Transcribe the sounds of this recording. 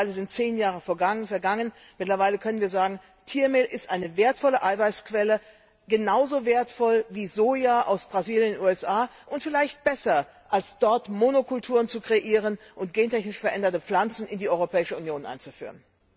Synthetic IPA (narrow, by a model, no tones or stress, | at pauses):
aɪləzɪnt̚t͡seːnjaːʁ̞əfɛɐɡaŋfɛɐɡaŋən | mɪtlɐvaɪləkʰœnənviːɐzaːɡŋ̩ | tʰiːɐmeːlʔɪstʔaɪnəveːɐtfɔləʔaɪvaɪskv̥ɛlə | ɡ̥ənaʊzoveːɐtfɔlviːzoːjaʔa̰ʊsb̥ʁaziːljənnʔuːɛsʔaːʔʊntfɪlaɪçt̚b̥ɛsɐ | ʔalsd̥ɔɐtmonokʰʊltʰuːʁənt͡sukʁ̥eʔiːʁənʔʊnt̚ɡ̥eːntɛçnɪʃfɛɐʔɛndɐtəp͡flant͡sn̩ɪndiːʔɔʏʁopʰɛːɪʃəunjoːnʔa̰ɪnt͡sufy̰ːʁən